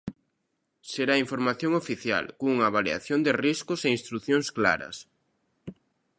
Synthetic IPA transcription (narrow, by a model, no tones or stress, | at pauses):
seɾaiɱfoɾmaθjoŋofiθja̰lkouŋaβalia̰θjond̪ɪriskʊseĩnst̪ɾuθjõŋskla̰ɾɐ̰s